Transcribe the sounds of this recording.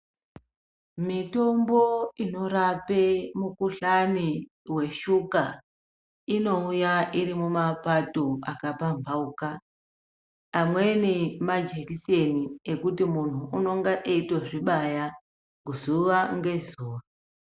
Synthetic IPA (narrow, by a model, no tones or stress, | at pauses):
mito̞mbo̞ino̞ɾapemukuɬani | we̞ʃuka | ino̞ujaʔirimumapatoakapaɱvauka | mwe̞nimad͡ʒekise̞niekutimun̤uːno̞ŋɡaʔeitoʐiɓaja | ɡuzuʋaŋɡe̞zuːro